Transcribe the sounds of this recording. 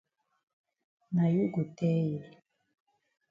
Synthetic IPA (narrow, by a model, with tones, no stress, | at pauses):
na˨ju˦ɡu˨tɛ˦jɛ˨